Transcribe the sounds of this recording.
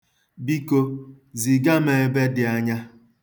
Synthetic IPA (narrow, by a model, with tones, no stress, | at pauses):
bi˦ko˦ | zi˨ɡa˦me˨e˨be˦dɪ˨a˦ɲa˦